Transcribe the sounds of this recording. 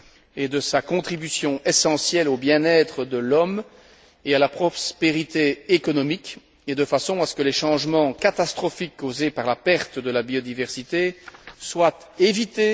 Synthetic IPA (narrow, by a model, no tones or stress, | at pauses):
ed̪əsakɔ̃t̪χibysjɔ̃ʔesɑ̃sjɛlobjɛ̃nɛt̪χəd̪əlɔm | ealapχɔspeʁit̪eːkɔnɔmik | ed̪əfasɔ̃asə̥kəlɛʃɑ̃ʒmɑ̃kat̪ast̪χɔfikːozepaʁlapɛʁt̪d̪əlabiod̪ivɛʁsit̪eswat̪ | evit̪e